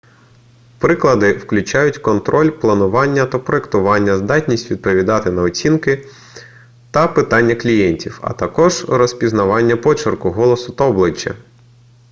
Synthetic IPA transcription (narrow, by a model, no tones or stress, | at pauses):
pɾɪklˠɐd̪ɪwklʲʊt͡ʃɑjʊtʲkɔnt̪ɾʔɔlʲplˠɐnʊʋɑnʲːɐt̪ɐpɾɔekt̪ʊʋɑnʲːɐzd̪ɑtʲnʲisʲtʲʋʲid̪̚pɔʋʲid̪ɑt̪ɪnɐɔt͡sʲinkɪ | t̪ɐpɪt̪ɑnʲːɐklʲijɛnʲtʲiwɐ̰t̪ɐkɔʒrɔsʲpʲiznɐʋɑnʲːɐpɔt͡ʃɪrkʊɦɔlˠɔsʊt̪ɐɔblˠɪt͡ʃːɐ̰